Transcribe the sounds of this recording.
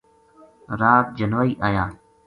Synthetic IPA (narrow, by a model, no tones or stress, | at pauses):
ɾaːt̪̚d͡ʒənʋaːiːʔaːjãː